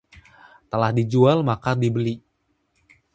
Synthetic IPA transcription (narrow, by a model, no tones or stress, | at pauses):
t̪əlahdid͡ʒualmakadibəli